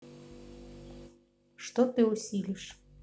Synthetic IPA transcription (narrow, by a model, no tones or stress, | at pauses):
ʃt̪ot̪ɨusʲilʲiʃ